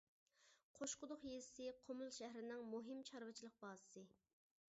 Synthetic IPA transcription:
qʰoʃqʊd̪ʊχjezsɪqʰomulˠʃæɦɾɪnɪŋmuɦɪmt͡ʃʰɑɾvɨt͡ʃʰilˠəq̚bɑːsɨ̥sɨ

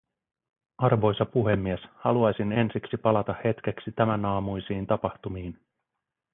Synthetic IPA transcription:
ɑrʋo̞jsɑpuɦe̞mːieshɑluɑjsine̞nsiksipɑlɑt̪ɑhhe̞t̪k̟eksit̪æmænɑːmujsiːnt̪ɑpɑht̪umiːn

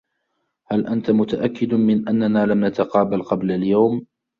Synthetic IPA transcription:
halʔant̪amʊt̪aʔakːɪd̪mɪnʔanːanaːlamnat̪aqɑːbalqɑblaljawm

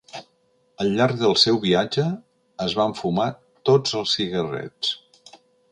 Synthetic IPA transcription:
əlːaɾɡ̚ðəlˠsɛwβiad͡ʒəː | zβaɱfuma | t̪od͡zəlˠsiɣərɛ̰t͡s

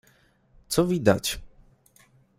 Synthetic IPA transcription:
t̪sɔvʲid̪a̰t͡ɕ

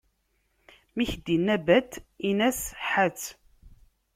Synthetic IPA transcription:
miçd̪inːæbæd̪inæsħæt͡sː

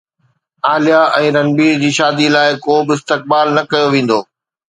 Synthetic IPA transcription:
aːlijaʔɛ̃ːɾɐnbiːɾd͡ʑiːʃaːd̪ilaːɪkoːbɪɪst̪ɪk̚baːlnɐkɐjoʋẽːn̆d̪oː

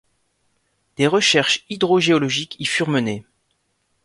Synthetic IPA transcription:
d̪̥eʁəʃɛʁʃid̪ʁɔʒeɔlɔʒikifyʁməne

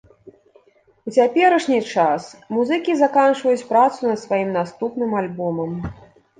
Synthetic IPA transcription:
ut͡sʲapʲɛɾɐʂnʲit͡ʂasmuzɨkʲizakant͡ʂvɐjut͡sʲpɾat̪sunɐt̪svajimnast̪upnɨmalʲbɔmɐm

